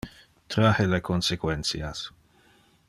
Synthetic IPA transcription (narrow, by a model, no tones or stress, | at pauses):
t̪ɾahelekʰonsekwensias